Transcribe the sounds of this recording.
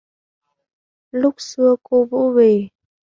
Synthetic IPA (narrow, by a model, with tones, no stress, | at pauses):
lʊ˦˥k͡p̚sɨ˧əko˧vṵ˧˥ve˨˩